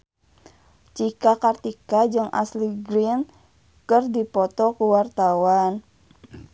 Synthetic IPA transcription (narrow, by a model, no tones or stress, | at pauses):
t͡ʃikakart̪ikad͡ʒɨŋʔa̰sliɡɾin | kɨrdipɔt̪ɔkuwart̪awan